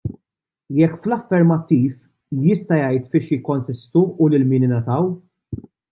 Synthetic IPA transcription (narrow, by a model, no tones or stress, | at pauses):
jɛkːflɐfːɛɾmɐt̪ːiːf | jɪst̪ɐjɐjt̪fɪʃjɪkːɔnsɪst̪uʊlɪlmɪːnɪnɐt̪ɐw